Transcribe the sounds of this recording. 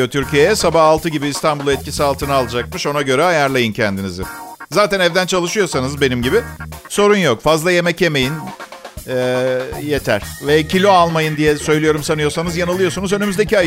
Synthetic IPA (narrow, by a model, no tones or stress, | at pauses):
ot̪ʰyɾcʰijejɛsabahalˠt̪ʰɯɟibiːst̪ʰanbulˠɛt̪̚cʰisialˠt̪ʰɯnaːlˠɯd͡ʒak̚mɯʃo̞naɟø̞ɾɛajaɾlˠajɯncʰɛnd̪inizɪ̰zaːt̪ænɛvd̪ænt͡ʃʰalˠɯʃɯjo̞sanɯzbe̞nimɟibɪso̞ɾunjo̞kfazlˠaje̞mɛce̞me̞jin | ɛje̞t̪ʰæɾ̥vɛcʰilʲo̞alˠmajɯnd̪ijɛsø̞jlʲijo̞ɾumsanɯjo̞sanɯzjanalˠɯjo̞sunuzønymyzd̪ecʰia